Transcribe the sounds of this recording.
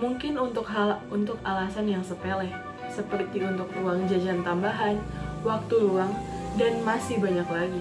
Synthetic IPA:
muŋkɪnunt̪ʊkaunt̪ʊk̚alasanjaŋsəpelɛh | səpərt̪iunt̪ʊk̚ruaŋd͡ʒad͡ʒant̪ambaɦan | wak̚t̪uluaŋ | danmasɪhbaɲaklaɡi

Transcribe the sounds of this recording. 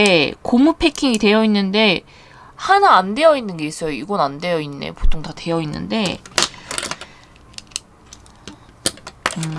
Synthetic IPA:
ekomupʰe̞kʰiŋite̞jʌinːɯnde̞ | hanaːnde̞jʌinːɯnɡe̞is͈ʌjoiɡʌnande̞jʌinːḛpotʰoŋtate̞jʌinːɯ̰nde̞ | ɯ

